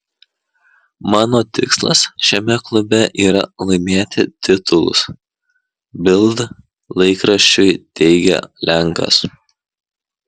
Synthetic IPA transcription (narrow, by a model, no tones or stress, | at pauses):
mɑːnoːt̪ʲɪ̰kslˠɐ̰sʃʲɛmʲɛklˠʊbʲɛʔiːɾɐlˠɐɪmʲeːt̪ʲɪt̪ʲɪt̪ʊlˠʊ̰s | bʲɪlˠˑd̪ | lˠɐɪkɾɐʃʲt͡ʃʲʊjt̪ʲɛɪɡʲɛ̰lʲʔæŋˑkɐ̰s